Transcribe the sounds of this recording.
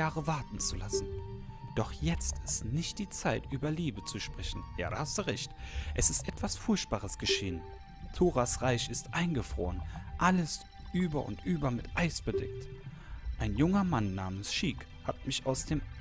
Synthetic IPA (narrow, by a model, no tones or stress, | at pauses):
aːʁəvaɐtn̩t͡sulasn̩ | d̥ɔχjɛt͡stɪstnɪçt̚d̥iːt͡saɪtʔyːbɐliːbət͡suʃpʁ̥ɛçn̩ja̰ːda̰hastd̥uːʁɛçtʔɛsɪstʔɛtv̥asfʊɐçt̚b̥aːʁ̞əsɡ̥əʃḛːən | tʰoːʁasʁaɪçɪstʔaɪnɡəfʁ̥o̰ːʁənʔaləs | ʔyːbɐʔʊ̰ntʔyːbɐmɪtʔaɪsb̥ədɛ̰k̚t | ʔaɪnjʊŋɐmanːaːmənsʃiːk | hat̚mɪçaʊsd̥eːm